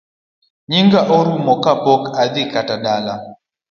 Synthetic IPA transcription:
ɲiŋɡaʔɔɾumɔkapɔkaðikataɗala

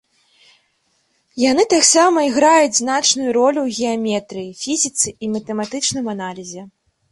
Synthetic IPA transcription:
janɨt̪aksamɐiɣɾajud͡zʲznat͡ʂnujuɾɔlʲuwɣʲɛamʲɛt̪ɾɨjifʲizʲit̪sɨimɐt̪ɛmat̪ɨt͡ʂnɨmanalʲizʲɛ

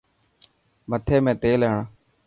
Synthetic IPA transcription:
mət̪ʰeːmẽːt̪eːleɦɳa

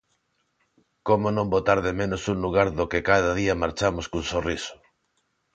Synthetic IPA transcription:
komonõmbot̪aɾðemẽnʊsuŋluɣ̞aɾðokekaðaðiamaɾt͡ʃamoskunsorisʊ̥

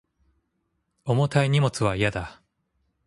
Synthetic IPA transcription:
omo̞t̪aiɲ̟imo̞t͡sɨβaijad̪a

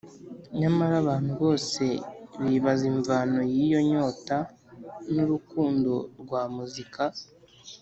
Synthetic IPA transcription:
ɲamaɾaβaːn̥huβo̞ːse̞βiβaziɱvano̞jijo̞ɲo̞ːta | nuɾukuːndo̞ɾɡwaːmuzika

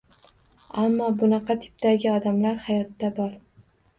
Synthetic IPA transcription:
amːɒbʊnɑqʰɑt̪ʰɪ̥p̚d̪aɡʲɪɒd̪amlaɾhajɒt̪ːabɒɾ

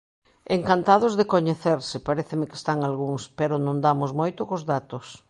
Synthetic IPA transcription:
eŋkant̪að̞ʊzðekoɲeθeɾsɪpaɾeθɪmɪkɪe̥st̪aŋalɣuŋspeɾʊnõnd̪amʊsmojt̪ʊkozðat̪ʊs

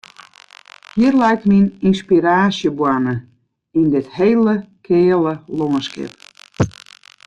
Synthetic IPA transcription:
hiərlɛjk̚tmininspiɾaːsjəbwanə | indɪtheːləkʰɪːləloŋənskɪ̰p̚

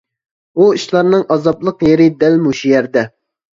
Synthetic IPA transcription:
uiʃlˠɑɾnɨŋʔɑzɑblˠəqjeɾɪd̪ɛlmuʃijɛɾd̪ɛ

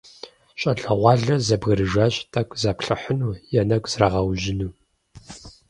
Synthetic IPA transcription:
ɕʼɐɮɐʁʷɑːɮɐzɐbɣɐɾɨʒaːɕʼtʼɐkʷʼzɐpɬɨħənuːjɛnɐkʷʼz̥raʁɐwʒɪnuː

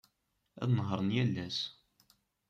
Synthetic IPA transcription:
æ̰ðnɦəɾˤənjælːæs

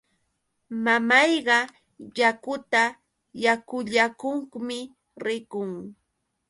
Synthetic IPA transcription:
mamɑjɢɑ | jakʊt̪a | jakʊʎakʊŋkmɪ | ɾɪkʊŋ

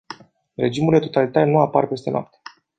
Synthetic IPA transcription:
re̞d͡ʒimuld̪e̞t̪o̞t̪alit̪aɾenuaparpe̞st̪e̞no̰a̰p̚t̪e̥

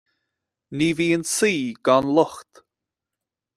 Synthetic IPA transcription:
niːviːənsiːɡɔnlɔxt̪

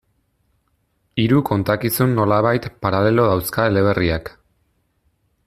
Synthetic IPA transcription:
iɾuko̞nt̪akisunːo̞laβ̞ajt̪paɾale̞lo̞ðawskaele̞β̞e̞riak

